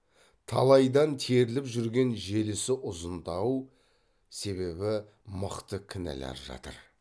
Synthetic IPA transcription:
t̪ʰɑ̰lˠɑjd̪ɑnt̪ʰeɾɪlɪpʒʏɾɡʲe̞nʒe̞lɪsɪʔʊzənd̪ɑw | se̞βe̞bɪ | məqt̪əkʲʰɪnæ̰læ̰ɾʒɑ̰t̪ə̰ɾ

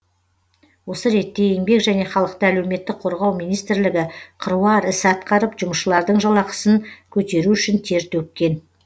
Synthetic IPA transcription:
wo̞səɾe̞t̪ːe̞jeŋbe̞kʒæne̞χɑlˠəq̚t̪əælewme̞t̪ːɪk̚qʰo̞ɾʁɑwmijnijst̪ɪɾlɪɡʲɪqʰəɾuɑɾɪsɪɑt̪qɑɾəpʒʊməʃəlˠɑɾd̪əɴʒɑlˠɑqə̥sənkʲʰɵt̪e̞ɾuʏʃɪnt̪ʰe̞ɾt̪ɵp̚kʲe̞n

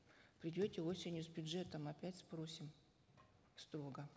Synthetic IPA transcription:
pɾʲɪdʲotʲɪo̞sʲɪnʲjʊzbʲʊdʐɛt̪əmɐpʲætʲspɾo̞sʲɪm | st̪ɾo̞ɡə

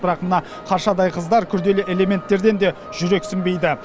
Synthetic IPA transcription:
bɪɾɑqmənɑ | qʰɑɾʃɑd̪ɑjqʰəzd̪ɑɾkʲʰʏɾd̪e̞lɪʔe̞le̞me̞nt̪ːe̞ɾd̪e̞nd̪e̞ | ʒ̥ʏɾe̞ksɪmbe̞jd̪ɪ

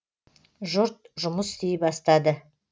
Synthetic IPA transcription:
ʒʊɾt̪̚ʒʊməst̪ʰejɪpɑst̪ɑd̪ə

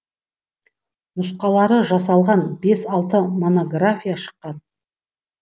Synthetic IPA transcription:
nʊsqɑlˠɑɾəʒɑsɑlˠʁɑnbe̞sɑlˠt̪əmo̞no̞ɡrafʲijaʃə̥qːɑn

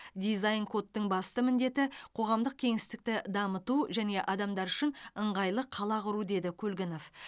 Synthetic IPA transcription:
d̪ijzajnkʰo̞t̪ːəɴbɑst̪əmɪnd̪e̞t̪ɪqʰo̞ʁɑmd̪əq̚kʲʰe̞ŋɪst̪ɪk̚t̪ɪd̪ɑmət̪uʒæne̞ʔɑd̪ɑmd̪ɑɾʏʃɪnəɴʁɑjlˠəqʰːɑlˠɑqʊɾud̪e̞d̪ɪkʲʰɵlɡʲɪno̞f

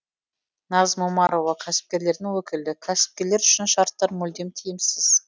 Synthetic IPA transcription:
nɑzmumɑɾo̞vɑkʲʰæsɪ̥p̚kʲe̞ɾle̞ɾd̪ɪŋwɵkʲɪld̪ɪkʲʰæsɪ̥p̚kʲe̞ɾle̞ɾʏʃɪnʃɑɾt̪ːɑɾmɵld̪e̞mt̪ʰijɪmsɪz̥

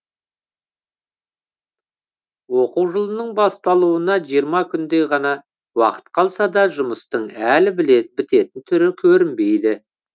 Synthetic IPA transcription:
woquwʒəlˠənəɴbɑst̪ɑlˠuənɑʒijəɾmɑkʲʰʏnd̪e̞jʁɑnɑ | wɑ̰qə̥t̪̚qʰɑlˠsɑd̪ɑʒʊməst̪əɴælɪbɪle̞t̪bɪt̪e̞t̪ɪnt̪ʰʏɾɪkʲʰɵɾɪmbe̞jd̪ɪ

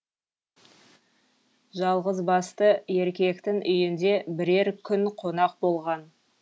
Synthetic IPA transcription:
ʒɑlˠʁəzbɑst̪əe̞ɾkʲe̞kt̪ɪŋʔʏjɪnd̪e̞bɪɾe̞ɾkʲʰʏnqʰo̞nɑq̚bo̞lˠʁɑn

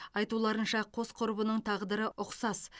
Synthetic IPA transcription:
ɑjt̪ulˠɑɾənʃɑqʰo̞sqʰʊɾbənəɴt̪ʰɑʁd̪əɾəʔʊqsɑs

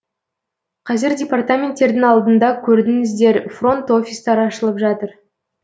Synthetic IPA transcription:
qʰɑzɪɾdʲe̞part̪amʲe̞nt̪ːe̞ɾd̪ɪŋɑlˠd̪ənd̪ɑkʲʰɵɾd̪ɪnɪzd̪e̞ɾfro̞nt̪o̞fʲist̪ɑɾəɑʃəlˠəpʒɑt̪əɾ

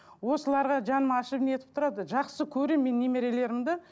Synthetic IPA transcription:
wo̞səlˠɑɾʁɑʒɑnəmɑʃəbɪne̞t̪ɪ̥p̚t̪ʰʊɾɑd̪əʒɑqsəkʲʰɵɾemːe̞nːe̞me̞ɾe̞le̞ɾɪmd̪ɪ

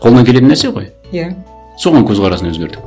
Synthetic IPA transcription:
qʰolˠnɑŋkʲe̞le̞ɪnæɾseʁoj | ja | so̞ʁɑŋkʲʰɵzʁɑɾɑsəɵzɡʲe̞ɾd̪ɪ

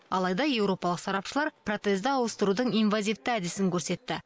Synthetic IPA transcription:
ɑlˠɑjd̪ɑje̞wɾo̞pɑlˠəqsɑɾɑpʃəlˠɑɾpro̞t̪sezd̪ɪɑwəst̪əɾud̪əɴijnvazʲijft̪əæd̪ɪsɪŋkʲʰɵɾse̞t̪ːɪ

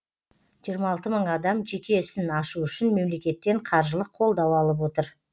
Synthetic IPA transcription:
ʒijəɾmɑɑːlˠt̪əməɴɑd̪ɑmʒe̞kʲʰe̞sɪnɑʃuʏʃɪnme̞mle̞kʲe̞t̪ːe̞ɴqʰɑɾʒəlˠəqʰo̞lˠd̪ɑwɑlˠəp̬wo̞t̪əɾ

